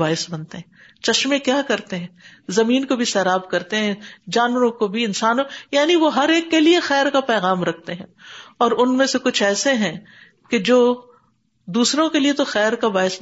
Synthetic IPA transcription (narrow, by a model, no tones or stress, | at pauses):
baːɪsbɐnt̪eɦɛ̃ | t͡ʃɐʃmẽkjaːkɐɾt̪eɦɛ̃ːzɐmiːnkobʱisɛːɾaːbkɐɾt̪eɦɛ̃d͡ʒaːnʋəɾõkobʱiɪnsaːnõjaːniʋoɦɐɾeːkːeliexɛːɾkapɛːɣaːmɾɐk̚ʰt̪eɦɛ̃ɔːɾʊnmẽsekʊt͡ʃʰɛːseɦɛ̃ | ked͡ʒoː | d̪uːsɾõkeliet̪oxɛːɾkabaːɪs